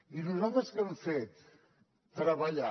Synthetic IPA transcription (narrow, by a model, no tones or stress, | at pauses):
inuzalˠt̪əskɛɱfet̪ː | ɾəβəʎa